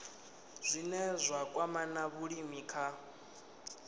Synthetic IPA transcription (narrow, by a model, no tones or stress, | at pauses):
z̥ʷinɛzʷakʼwamanaβuɺimikʰa